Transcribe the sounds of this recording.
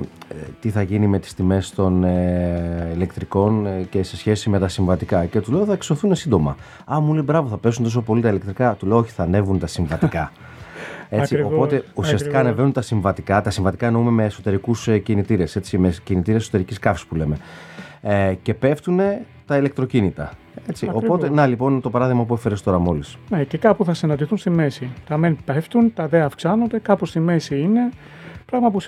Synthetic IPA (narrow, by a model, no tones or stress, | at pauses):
t̪iθɐʝinime̞t̪i̥st̪ime̞st̪o̞n | ile̞kt̪ɾiko̞nce̞se̞sçe̞sime̞t̪ɐsiɱvɐt̪ikɐce̞t̪ule̞oθɐkso̞θune̞sind̪o̞mɐ | ɐmulibɾɐvoθɐpe̞s̬unt̪oso̞po̞lit̪ɐilekt̪ɾikɐt̪ule̞ooçi̥θɐne̞vunt̪ɐsiɱvɐt̪ikɐ | et͡sio̞po̞t̪e̞usiɐsikɐːne̞venunt̪ɐsiɱvɐt̪ikɐt̪ɐsiɱvɐt̪i̥kɐnoumemeːso̞t̪e̞ɾikuscinit̪iɾe̞se̞t͡simecinit̪iɾieseso̞t̪e̞ɾiciskɐfi̥spule̞me̞ | ce̞pe̞ft̪une̞ | t̪ɐile̞k̚t̪ɾo̞cinit̪ɐ̰ | e̞t͡siʔo̞po̞t̪enɐlipo̞nt̪o̞pɐɾɐðiɣmɐpuefeɾest̪o̞ɾɐmo̞lisnecekɐpuθɐsinɐnd̪iθunst̪ime̞sit̪ɐmenpeft̪unt̪ɐðeɐfksɐnod̪e̞kɐpost̪ime̞siine̞ | pɾɐɣmɐpu